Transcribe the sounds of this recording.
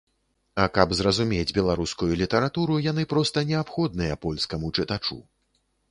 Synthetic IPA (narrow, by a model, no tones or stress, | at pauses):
ɐkɐbzrɐzumʲed͡zʲbʲɛlˠaɾuskujulʲit̪ɐɾat̪uɾujanɨpɾɔst̪ɐnʲɛapxɔd̪̚nɨjɐpɔlʲskɐmut͡ʂɨt̪at͡ʂṵ